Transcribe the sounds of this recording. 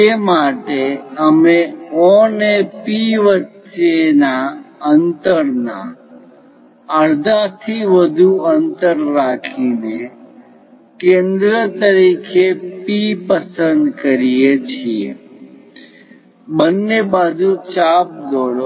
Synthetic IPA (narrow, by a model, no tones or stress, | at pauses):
emaʈeəmeɔnepiʋəʃenaənt̪əɾna̰ | əɾd̪ʱat̪ʰiʋəd̪ʱuənt̪əɾːakʰine | kẽnd̪ɾət̪əɾikʰepipəsənd̪kəɾijet͡ʃʰiḛ | bənːebad͡ʒut͡ʃap̚d̪oɽo